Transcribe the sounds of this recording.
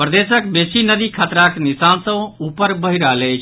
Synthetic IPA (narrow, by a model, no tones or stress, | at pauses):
pɾəd̪esəkbesinəd̪ikʰat̪ɾaknisansə̃upəɾbəɦiɾalejt͡ʃʰ